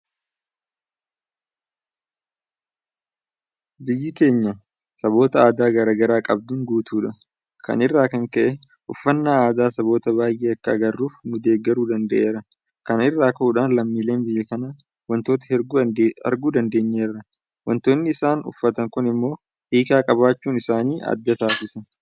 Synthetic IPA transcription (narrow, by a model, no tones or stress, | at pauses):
bɪjːɪke̞ːɲːɐ | sɐbo̞ːt̪ɐaːd̪aːɡɐɾaːɡɐɾaːkʼɐb̚d̪ʊŋɡuːt̪uːᶑɐ | kɐ̰nɪrːaːkɐŋkɐʔɛ | ʊfːɐnːaːaːd̪aːsɐbo̞ːt̪ɐβaːjʔeːɐkːɐːɡɐrːuːfmʊd̪e̞ːɡːɐɾuːd̪ɐnd̪ɐʔe̞ːɾɐ | kɐnɪrːaːkɐuːᶑaːnlɐmːiːle̞ːnbɪjːɐkɐnaː | wɐnt̪o̞ːt̪ɐ̥ | ɐ̰ɾɡuːd̪ɐnd̪e̞ːɲːe̞ːrːɐ | wɐnt̪o̞ːnːɪːsaːnʊ̰fːɐt̪ɐŋkʊnɪmːo̞ː | ʔiːkaːkʼɐbaːt͡ʃːuːnɪsaːniːʔɐ̰d̪ːɐt̪aːsɪsɐ